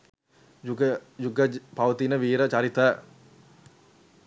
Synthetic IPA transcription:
juɡəjuɡəpaʋət̪inəʋiːɾət͡ɕaɾit̪ə

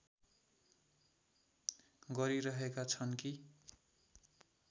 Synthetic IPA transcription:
ɡʌɾiɾʌɦekat͡sʰʌnki

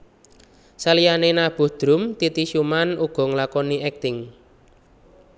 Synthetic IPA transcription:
salijanenab̥ṳhd̪̥ɾʊ̤mt̪it̪iʃumanuɡ̥ɔ̤ŋlakɔniɛk̚t̪ɪŋ

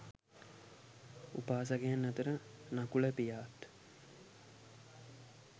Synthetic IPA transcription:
upaːs̬aɡejanːat̪əɾənakuləpijaːt̪

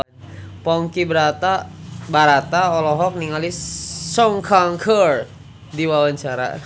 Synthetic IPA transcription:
pɔŋkibəɾat̪abaɾat̪aɔlɔɦɔk̚niŋalisɔŋkʰaŋkʰər | diwawaɲt͡ʃaɾa̰

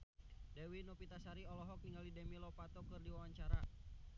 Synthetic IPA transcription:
dɛwinɔpit̪asaɾiɔlɔɦɔk̚niŋɡalidɛmilɔpat̪ɔkɨrdiwawaɲt͡ʃaɾa

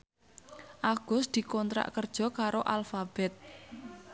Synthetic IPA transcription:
ʔaɡ̥ʊ̤sd̪̥i̤kɔnt̪ɾa̰ʔkərd̥ʒ̥ɔ̤kaɾoʔalfab̥ɛt̪̚

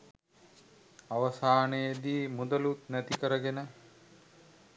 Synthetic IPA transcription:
aʋəsaːnejed̪iːmud̪əlut̪næt̪ikəɾəɡenə

